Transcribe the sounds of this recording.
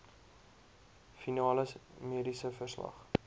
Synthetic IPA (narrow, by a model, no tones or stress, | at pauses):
finɑːləsmiədisəfərslɐ̰χ